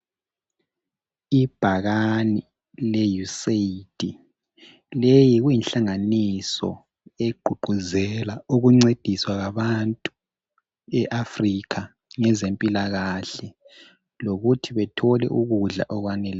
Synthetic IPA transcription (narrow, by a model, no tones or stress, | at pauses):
ib̥ʱaɣani | lɛjuseid̥ʱi | lejiɣujinɬaŋanisɔ̰ | eɡ͡ǃ̥ʱuɡ͡ǃʱuzɛlauɣuŋ͡ǀed̥ʱiswaɣaβantʼu̥ | ɛʔafrikʰa | ŋɛzempʼilaɣaɬɛ | loɣutʰiβɛtʰɔlɛ̰ʔuɣuɮa̰ʔɔɣwanɛlɛ